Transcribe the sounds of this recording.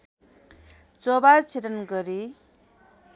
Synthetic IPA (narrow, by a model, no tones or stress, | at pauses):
t͡sobaɾt͡sʰetʌnɡʌɾi